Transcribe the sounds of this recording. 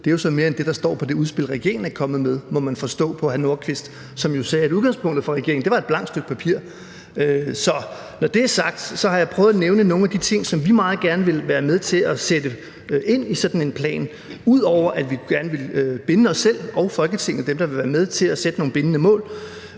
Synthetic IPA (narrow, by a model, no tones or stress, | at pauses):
d̥e̝jo̝sɒ̽nme̝ːɐend̥e̝ɾ̥ɑ̈sd̥ɒ̰ːpʰɒ̽d̥e̝uð̞ˠsb̥e̝l̰ʁɛɡ̥e̝ɐ̰ɐŋn̩ækʰɒ̽mð̩ˠmeð̞ˠmɒ̽mænfɒ̽sd̥ɔ̰̽ːpʰɒ̽hæno̝ɐ̰kʰʋe̝sd̥ | sɒ̽mjo̝sɛːæɾuð̞ˠɡ̥ɑ̈ŋspʰɔ̽ŋ̰d̥ð̩ˠfɒʁɛɡ̥e̝ɐ̰eŋ̩de̝ʋɑ̈e̝d̥b̥lɑ̈ŋ̰d̥sd̥øɡ̥̚pʰæpʰiɐ̰ | øsɒ̽ | nɒd̥e̝æɐsɑ̈ɡ̥̚d̥sɒ̽hɑ̈jɑ̈pʰʁœʊð̩ˠneʊnəno̝ːŋ̩æd̥it͡sʰe̝ŋ̰sɒ̽mʋimɑ̈ːð̩ˠɡ̥æɐnəʋe̝lʋæːɐmeð̞ˠt͡sʰe̝læsed̥ə | ʔe̝n̰isɒ̽d̥n̩e̝npʰlɛ̰ːn | uð̰ˠɒʊ̰ɐʔæ̥ʋiɡ̥æɐnəʋe̝lb̥enəɒ̽sːel̰ɒ̽ʊfɒ̽lɡ̥ət͡sʰe̝ŋ̰n̩d̥emd̥ɑ̈ʋe̝ʋæːɐmeð̞ˠt͡sʰe̝læsed̥əno̝ːŋn̩be̝nənəmɔ̰̽ːl